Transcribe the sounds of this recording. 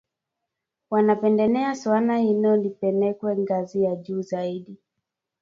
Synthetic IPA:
wanapɛndɛnɛaswanainɔnipɛnɛkwɛŋɡazijaʄuːzaiɗi

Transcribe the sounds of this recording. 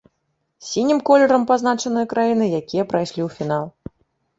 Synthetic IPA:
sʲinʲimkɔlʲɛɾɐmpaznat͡ʂɐn̪ɨjɐkɾajinɨjakʲijɐpɾajʂlʲiwfʲin̪alˠ

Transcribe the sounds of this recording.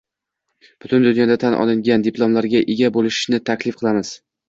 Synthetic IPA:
b̥ʊt̪ʰʊnd̪ʊnjɒd̪at̪ʰanʔɒ̰lˠɪŋɡʲand̪ɪplˠomlaɾɡʲaʔeɡʲabolɪʃɪ̥ʃnɪt̪ʰakʲlɪfqʰɨlˠamɪz̥

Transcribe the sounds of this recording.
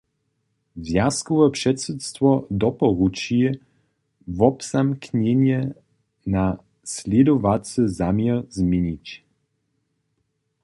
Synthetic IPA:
zʲjaskuvəpʂɛt̪sət̪st̪vɔd̪ɔpɔʁut͡ʃiɛ | vɔpsamknʲɛniɛ | na | slʲɛd̪ovat̪səzaməzmenʲic

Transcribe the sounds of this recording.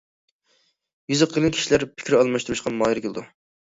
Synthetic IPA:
jyzɨqʰːəlˠɨnkʲʰi̥ʃilæɾpʰɪ̥kʲɾɪɑlˠmɑʃt̪uɾuʃqʰɑnmɑːjɾɪkʲelɨd̪u

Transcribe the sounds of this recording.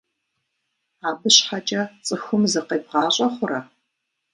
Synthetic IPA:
aːbɨɕħat͡ʃʼɐt͡sʼɨxʷʊmzɨqeːbʁɑːɕʼɐχʷʊɾɐ

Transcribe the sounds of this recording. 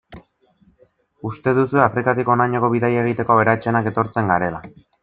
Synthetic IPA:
ust̪e̞ðusueafɾikat̪iko̞najɲoko̞βiðajaeɣ̞it̪e̞ko̞aβeɾat͡ʃe̞nake̞t̪o̞ɾt͡se̞ŋɡaɾe̞la

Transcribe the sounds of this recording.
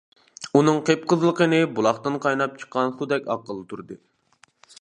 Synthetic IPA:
unɨŋqʰep̚qʰəzlˠəqənɨbulˠɑχt̪ɨnqʰɑjnɑp̚t͡ʃʰə̥qːɑnsud̪ɛkʲɑ̰qːəlˠɨt̪ʰuɾd̪ɨ

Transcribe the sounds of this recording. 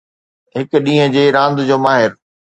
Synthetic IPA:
ɦɪkɗĩːɦə̃d͡ʑeːɾãːnd̪d͡ʑoːmaːɦɪɾ

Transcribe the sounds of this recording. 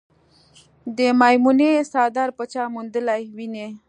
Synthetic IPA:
d̪əmɑjmunesɑd̪ɑɾpət͡ʃɑmund̪əlajwine

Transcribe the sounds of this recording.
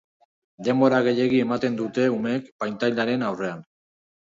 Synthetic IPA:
d̪e̞mbo̞ɾaɣ̞e̞ʎe̞ɣie̞mat̪e̞nd̪ut̪e̞ume̞kpajnt̪ajld̪aɾe̞nawre̞an

